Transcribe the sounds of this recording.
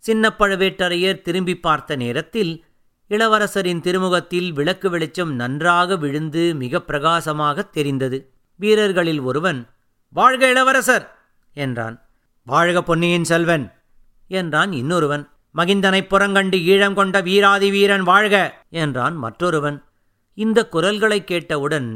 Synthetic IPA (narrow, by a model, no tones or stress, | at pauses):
sɪnːɐpːɐɻɯʋeːʈːɐɾɐjɐɾt̪ɪɾɯmbipːaːɾt̪ɐneːɾɐt̪ːɪl | ɪɭɐʋɐɾɐsɐɾɪnt̪ɪɾɯmɯɣɐt̪ːɪlʋɪɭɐkːɯʋɪɭɪt͡ʃːɐmnɐndraːɣɐʋɪɻɯnd̪ɯmɪɣɐpːɪɾɐɣaːsɐmaːɣɐt̪ːɛɾɪnd̪ɐðɯ | ʋiːɾɐɾɣɐɭɪlɔɾɯʋɐn | ʋaːɻɣɐɪɭɐʋɐɾɐsɐɾ | ɛndra̰ːn | ʋaːɻɣɐpːɔnːɪjɪnsɛlʋɐn | ɛndraːnɪnːɔɾɯʋɐn | mɐɣɪnd̪ɐnɐɪpːɔɾɐŋɡɐɳɖɯiːɻɐmkɔɳɖɐʋiːɾaːðiʋiːɾɐnʋaːɻɣɐ | ɛndra̰ːnmɐ̰ʈrɔɾɯʋɐn | ɪnd̪ɐkːʊrɐlɣɐɭɐɪkːeːʈːɐɯɽɐn